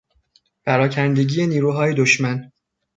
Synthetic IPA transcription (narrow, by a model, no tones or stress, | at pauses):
pʰæɾɒːcʰænd̪e̞ɟiːeniːɾuːɦɒːjed̪oʃmæn